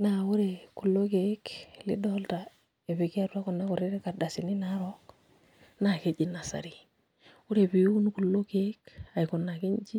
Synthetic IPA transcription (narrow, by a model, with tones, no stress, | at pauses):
na˦ʊ˦ɾe˨ku˨lːo˦ke˨˦klḭ˦dɔ˦lta˨ | e˨βi˨ki˦a˦ɾu˦a˦kɔ˨nːa˦kɔ˨ɾi˦ɾe˦ka˨da˨si˨ni˦na˦ɾok | na˨ke˨d͡ʒi˨na˨sa̰˨ɾi˨ | ʊ˦ɾe˨pi˨u˦u˦nku˨lːo˦ke˦ka˨i˨ku˨nːa˨ki˦ɲ˦d͡ʒi˦